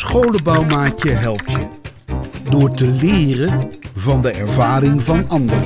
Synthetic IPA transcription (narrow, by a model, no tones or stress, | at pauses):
sχowləbɑwmaːcjəɦɛlˠp̚tjə | dʊːɹtəlɪːrəvɑndəʔɛɹvaːrɪŋvɑnɑndərə